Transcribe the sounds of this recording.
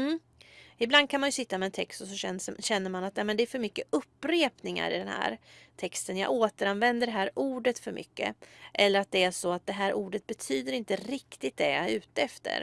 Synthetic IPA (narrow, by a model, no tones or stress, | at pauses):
m̩ː | ɪbland̪kʰanmanjɵsɪt̪ːamɛːnt̪ʰɛkst̪ɔsɔɛɕɛnːəɾmanat̪nɛmɛnd̪ɛæɾfœɾmʏkːəɵpːɾeːpnɪŋa̰ɾɪ̰d̪ɛnhæ̰ːɾt̪ʰɛkst̪ənjɑ̰ɡoːt̪əɾanvɛnd̪əɖɛɦæːɾuːɖət̪fœɾmʔʏ̰kːə̰ʔɛlːəɾat̪̚d̪ɛæʂɔat̪̚d̪ɛɦæːɾʔuːɖət̪̚bɛt̪ʰyːd̪əɾɪnt̪əɾɪkt̪ɪt̪̚d̪ɛɾʉ̟ːt̪əɛft̪ə̰ɾ